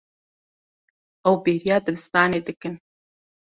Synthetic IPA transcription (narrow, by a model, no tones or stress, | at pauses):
ʔɐwbeːɾijɑːd̪ɨbɨst̪ɑːneːd̪ɨkɨn